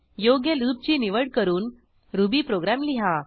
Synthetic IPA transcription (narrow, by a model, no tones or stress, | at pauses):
joɡjeluːp̚t͡ɕiːniʋəɽkəɾuːn | ɾubiːpɾoɡɾamliɦa